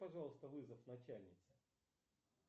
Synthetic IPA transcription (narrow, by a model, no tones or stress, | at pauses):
pɐʐɑlˠəst̪əvɨzəfnɐt͡ɕælʲnʲɪt̪sə̥